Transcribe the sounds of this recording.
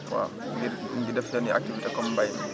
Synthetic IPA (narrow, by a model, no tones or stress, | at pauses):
wa̰ | ŋɡŋɡidɛftaniʔa̰k̚tivitɛkɔmbaj